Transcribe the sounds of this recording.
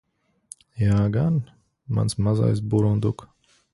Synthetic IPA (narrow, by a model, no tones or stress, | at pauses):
jaːɡan | ma̰nsmaza̰js̬buɾund̪uk